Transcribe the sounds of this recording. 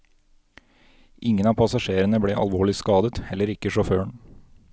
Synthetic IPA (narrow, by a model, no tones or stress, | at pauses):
ʔɪŋənɑːpʰɑsɑʃeːɾənəbɽeːʔɑ̰lʋoːɭɪskɑːd̪ət̪hɛlːəɾɪkəʂɔføːəɳ